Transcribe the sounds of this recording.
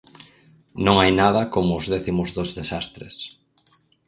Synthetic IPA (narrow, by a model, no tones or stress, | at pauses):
nõŋajnað̞ɐkomʊːzðɛθimʊzðozðesast̪ɾḛs